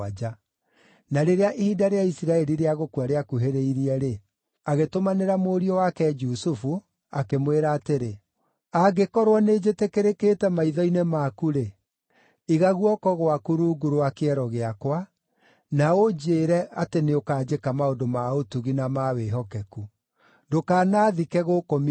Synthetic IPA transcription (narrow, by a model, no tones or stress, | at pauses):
ad͡ʒa | naɾeɾeaʔihiːdaɾeaisiɾaɛɾiɾeaɣokwaɾeakuɦeɾeiɾiɛɾe | aɣetomaneɾamoːɾiɔwakɛd͡ʒusufu | akemweɾaːteɾe | aɡekɔɾwɔned͡ʒetekeɾeketɛmaiðɔinemaːkuɾe | iɣaɣuɔkɔɣowakuɾuːɡuɾoakeɛɾɔɣeakwa | naod͡ʒeːɾɛʔateneokaːd͡ʒekamaodomaotuɣinamaweɦɔkɛku | dokaːnaːðikɛɣokomi